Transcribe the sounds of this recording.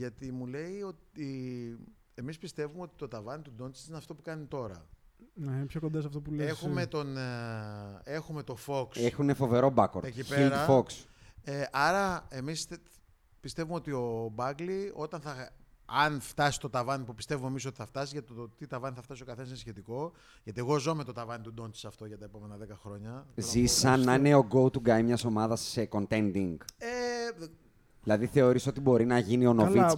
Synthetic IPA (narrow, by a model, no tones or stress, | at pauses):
ʝɐt̪imule̞ijo̞ti | e̞mispist̪e̞vumeo̞t̪i̥t̪o̞t̪ɐvɐnit̪ud̪o̞nt̪i̥sineɐft̪o̞pukɐnit̪o̞ɾɐ̰neinpço̞kod̪ɐs̬ɐft̪opulexume̞t̪o̞n | e̞xume̞t̪o̞fo̞ksexunefo̞ve̞ɾo̞bɐkoɾec̪ipeiɾɐfokseʔɐɾɐe̞mis | pist̪e̞vumeot̪io̞bɐɡlio̞t̪ɐnθɐɐnft̪ɐsi̥st̪o̞t̪ɐvɐnipupist̪e̞vume̞mis̬o̞t̪i̥θɐft̪ɐsizʝɐt̪ot̪it̪ɐvɐniθɐft̪ɐsio̞kɐθe̞nɐsinsçe̞t̪iko̞ | ʝɐt̪ie̞ɣo̞zo̞met̪o̞t̪ɐvɐnit̪ud̪o̞nt̪sɐft̪o̞ʝɐt̪ɐe̞po̞me̞nɐðe̞kɐxɾo̞ɲɐzissɐnɐneo̞ɡo̞ut̪uɡɐjmɲɐso̞mɐðɐseko̞nt̪e̞nd̪iŋɡe | ðilɐðiθe̞o̞ɾiso̞t̪ibo̞ɾinɐʝinio̞novis